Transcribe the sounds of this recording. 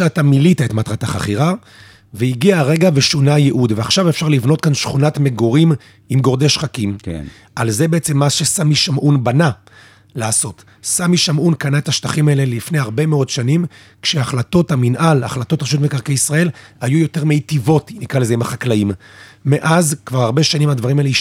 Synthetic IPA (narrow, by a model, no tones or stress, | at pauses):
ʃatamilitaetmatʁataχa̰χiʁa | veiɡiaʁe̞ɡaveʃunajeʔudveaχʃavefʃaʁlivno̞t̚kanʃχunatmeɡoʁim | imɡo̞ʁd̪eʃχakim | ʔalze̞beet͡semːaʃe̞samiʃamʔunbana | laːso̞t | samiʃamʔunkanaetaʃtaχimaele̞lifnehaʁbe̞meo̞dʃanim | kʃeaχlato̞taminʔala̰χlat̪o̞tpaʃutmekaʁkejisʁae̞lhajujo̞te̞ʁmeitivo̞tinikʁalezeimaχaklaimːeʔazkvaʁhaʁbe̞ʃanimad̪vaʁimaelei